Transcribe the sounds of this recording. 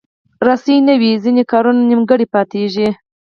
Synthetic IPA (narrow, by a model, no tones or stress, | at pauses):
ɾɑsijnawizinekɑɾunanimɡəɽipɑt̪eʒi